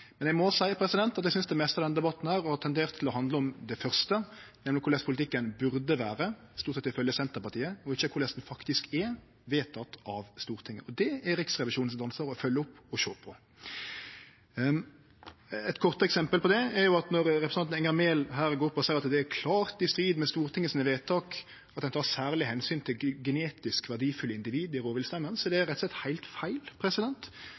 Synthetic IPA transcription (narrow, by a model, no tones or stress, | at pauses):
mɛnjɛɪɡmɔsæɪəpʰɾɛsɪd̪ɛnt̪ɑt̪̬jɛɪsʏnsd̪ɛmɛst̪əɑd̪ɛnd̪ɛbɑt̪ːn̩hæːɾɔhɑt̪ʰɛnd̪eːʁt̪ʰːɪlɔhɑnd̪ləɔmd̪ɛfœɾst̪ənɛmlɪkʰʊɾlɛspʰʊlɪt̪ʰɪkːənbʉɾd̪əʋæːɾə | st̪uːt̪sɛt̪ːɪfœljəsɛnt̪əɾpɑɾt̪ʰiːəɔɪçːəkʰʊɾlɛst̪n̩fɑkt̪ɪskɛ | ʋeːt̪ʰːɑt̪ɑʋst̪uːʁɾt̪ʰɪŋːə̰ɔd̪ɛɾɪksʁɛʋɪʃuːnsd̪ɑnsəɾɔfœljːəɔpːɔʃo̰ːpʰɔ | ɛt̪kʰɔʁt̪əɛksɛmpəlpɔd̪ɛːjʊɑt̪nɔɾɾɛpɾəsnɑnɛŋɑmeːlɦæːɾɡoːɾʊpːɔsæɪɑt̪d̪ɛːkʰlɑːɾt̪ɪst̪ɾiːd̪mɛst̪uːɾt̪ʰɪŋːəsiːnəʋeːt̪ʰːɑːk | ɑt̪d̪ɛnt̪ʰɑːsæːɾlɪhɛnsyːnt̪ʰɪlɡɛneːt̪ɪskʋæɖiːfʉlːəɪnd̪ɪʋiːd̪ɪɾoːʋɪlst̪ɛmːənsɔd̪ɛæɾɛt̪ɔslɛt̪hæɪlt̪fæɪlpʰɾɛsɪd̪ɛnt̪